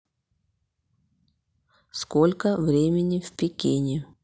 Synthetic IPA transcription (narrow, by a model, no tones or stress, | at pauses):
skolʲkəvɾʲemʲɪnʲɪfʲpʲɪkʲenʲɪ